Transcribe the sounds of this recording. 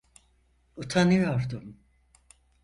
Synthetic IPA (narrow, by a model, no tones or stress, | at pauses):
ut̪ʰanɯjoɾd̪um